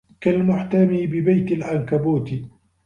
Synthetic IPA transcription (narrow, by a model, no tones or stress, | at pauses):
kalmʊħt̪amiːbɪbajt̪alʕankabuːt̪ɪ